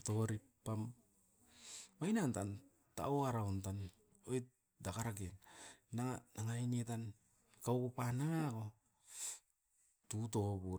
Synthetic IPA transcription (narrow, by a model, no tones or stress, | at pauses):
to̞ɾi | pːam | majnantan | ta̰oaɾawntan | ojt | dakaɾakenːaŋanaŋainet̬an | kawkupanaŋako | tut̬o̞bu